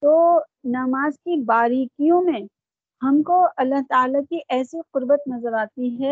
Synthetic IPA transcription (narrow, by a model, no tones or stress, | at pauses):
t̪oːnɐmaːzkibaːɾiːkijõmẽ | hɐmkoɐlːaɦt̪aːlakiʔɛːsiqʊɾbət̪nɐzəɾaːt̪iɦɛː